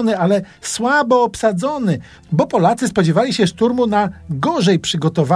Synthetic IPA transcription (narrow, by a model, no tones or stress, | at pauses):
nɘalɛ | swabɔːpsad̪zɔnɘ | bɔpɔlat̪sɘspɔd͡ʑɛvalʲiɕɛʂt̪uɾmunaɡɔʐɛjpʂɘɡɔt̪ɔva